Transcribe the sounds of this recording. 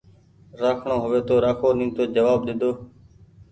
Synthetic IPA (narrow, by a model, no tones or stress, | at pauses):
ɾaːkʰɳõːɦʊʋeːt̪oːɾaːkʰoːnĩːt̪oːd͡ʒəʋaːb̚ɗ̪ɪd̪oː